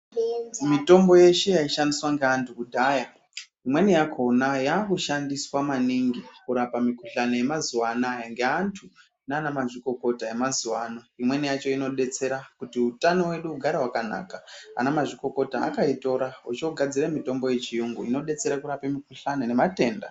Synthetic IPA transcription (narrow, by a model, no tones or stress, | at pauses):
mito̞mbo̞je̞ʃe̞jaiʃandiswaŋɡeantukudʱaja | imwe̞nijakʰo̞najaːkuʃandiswamaniŋɡikuɾapamikuɬanoje̞mazuwaːnajaŋɡeantʰu | naːnamaʐiko̞ko̞taje̞mazuwaːnoimwe̞nijat͡ʃo̞ino̞ɗe̞t͡se̞ɾakutiutano̞we̞ɗuːɡʱaɾawakana̰ːkaa̰namaʐiko̞ko̞ta̰ːkaito̞ɾaut͡ʃoɡʱad͡ziɾemito̞mbo̞je̞t͡ʃijuŋɡuino̞ɗe̞t͡se̞ɾakuɾapemikuɬanone̞mate̞ːnda̰